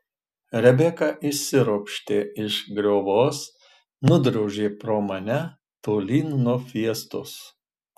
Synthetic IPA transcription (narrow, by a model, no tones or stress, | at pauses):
ɾʲɛbʲɛkɑʔɪsʲɪɾoːpʲʃʲt̪ʲeːɪʃɡɾʲoːʋoːs | nʊd̪ɾɐʊʒʲeːpɾoːmɐnʲɛ | t̪oːlʲiːnnoːfʲiɛst̪ʊs